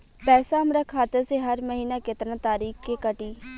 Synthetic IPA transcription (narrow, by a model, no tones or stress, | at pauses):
pɛːsaːəmɾaːkʰːaːt̪əɾseːɦəɾməɦiːnaːkɪt̪ɾãːt̪aːɾiːkkeːkəʈiː